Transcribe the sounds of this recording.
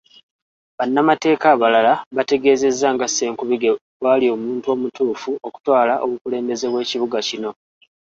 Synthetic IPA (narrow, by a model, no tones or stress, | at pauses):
βanːamate̞ːkaːβalalaβate̞ɡe̞ːze̞zːaŋɡase̞ːŋkuβiɡe̞βwaːlio̞ːmuːntuo̞ːmutuːfuo̞ku̥twaːlaʔo̞βukule̞ːmbe̞ze̞βwe̞ːciβuɡacino̞